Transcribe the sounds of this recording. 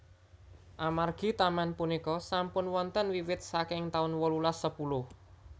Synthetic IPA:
ʔamarɡ̥i̤t̪amanpunikɔsampʊnwɔnt̪ənwiwɪt̪̚sakɪŋt̪aʊnwɔlulasəpulʊh

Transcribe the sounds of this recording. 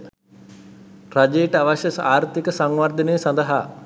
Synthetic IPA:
rad͡ʒeːʈəaʋaʃjəsaːɾt̪ikəsaŋʋaɾd̪əneːsand̪əɦa

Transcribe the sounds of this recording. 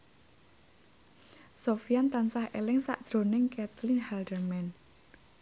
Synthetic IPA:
sofiant̪ansahʔelɪŋsa̰ʔd̥ʒ̥ɾo̤nɪŋkɛt̪linhɛldərmɛn

